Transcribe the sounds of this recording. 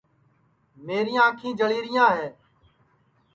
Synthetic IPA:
meːɾɪjãːkʰĩːd͡ʒəɭiːɾɪjãːɦeː

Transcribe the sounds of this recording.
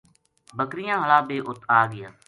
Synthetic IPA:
bəkɾɪjãːɦəlaːbeːʔʊt̪aːɡɪjaː

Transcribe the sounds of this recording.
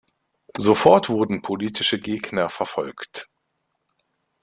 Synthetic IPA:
zofɔɐtv̥ʊɐdn̩pʰoliːtʰɪʃəɡeːɡnɐfɛɐfɔlkt

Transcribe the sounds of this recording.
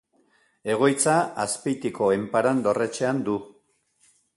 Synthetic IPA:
e̞ɣ̞o̞jt͡saaspijt̪iko̞empaɾand̪o̞re̞t͡ʃe̞and̪u

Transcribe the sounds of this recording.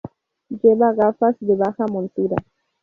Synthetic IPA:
d͡ʒeβaɣafasd̪eβaxamont̪uɾa

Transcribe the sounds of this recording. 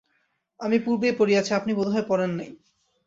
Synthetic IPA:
amipuɾbepoɾiat͡ɕʰiapnibɔd̪ʱɦɔepɔɾenːaj

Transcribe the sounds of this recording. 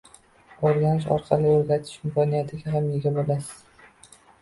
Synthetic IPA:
oɾɡʲanɪʃ̬ɒ̰ɾqʰɑlɪoɾɡʲat̪ʰɪ̥ʃɪmkʲɒnijat̪ʰɪɡʲaɦamjeɡʲabolasɪ̥z̥

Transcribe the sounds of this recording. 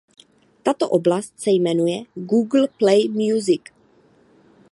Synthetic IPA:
t̪at̪oʔoblast̪sɛjmɛnujɛɡuːɡl̩plɛjmjuzɪk

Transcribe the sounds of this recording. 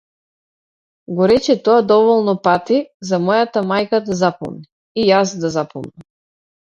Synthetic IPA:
ɡɔɾɛt͡ʃɛt̪ɔad̪ɔvɔlˠnɔpat̪izamɔjat̪amajkad̪azapɔ̰mni | ijasd̪azapɔ̰mnam

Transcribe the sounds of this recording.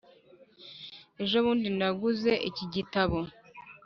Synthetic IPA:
e̞ʒo̞βuːndinaɡuze̞ʔiciɟitaβo̞

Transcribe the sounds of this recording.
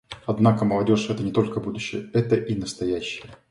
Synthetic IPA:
ɐd̪nakəməlˠɐdʲo̞ʂɛt̪ənʲɪt̪o̞lʲkəbud̪ʊɕːɪjəɛt̪əʔinəst̪ɐjæɕːɪjə

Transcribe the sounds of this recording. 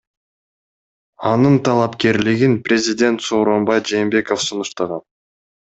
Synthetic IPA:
ɑnɯnt̪ʰɑlˠɑpke̞ɾlɪɡinprʲezʲid̪ʲe̞nt̪so̞ːɾo̞mbɑjd͡ʒe̞ːmbe̞ko̞fsunuʃt̪ɑʁɑn

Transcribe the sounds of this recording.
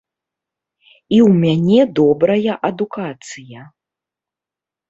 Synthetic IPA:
iwmʲanʲɛd̪ɔbɾɐjɐʔɐd̪ukat̪sɨjɐ

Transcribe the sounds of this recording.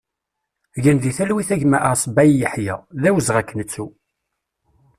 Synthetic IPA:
ʝənðiθælwiθæʝmæʔəɾsˤbæjjəħjæ̰ðæwəzʁækːnət͡sːu

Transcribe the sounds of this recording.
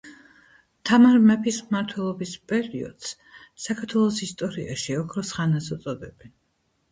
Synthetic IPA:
t̪ʰamaɾmɛpʰismaɾt̪ʰwɛlˠɔbispʼɛɾiɔ̰d̪̥s | sakʰaɾt̪ʰwɛlˠɔsist̪ʼɔɾiaʃiɔkʰɾɔsχanasut̪sʼɔd̪ɛb̥ɛn

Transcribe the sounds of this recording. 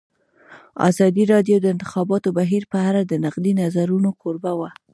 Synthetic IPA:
ɑ̰zɑd̪iɾɑd̪jod̪əɪnt̪ɪ̥xɑbɑt̪obaɦiɾpəaɾad̪ənaqd̪inazaɾunokʰoɾbawa

